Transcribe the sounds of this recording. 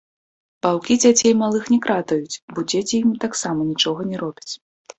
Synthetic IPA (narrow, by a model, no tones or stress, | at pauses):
pawkʲid͡zʲat͡sʲejmalˠɨxnʲɛkɾat̪ɐjut͡sʲbɔd͡zʲet͡sʲijimt̪aksamɐnʲit͡ʂɔɣɐnʲɛɾɔbʲit͡sʲ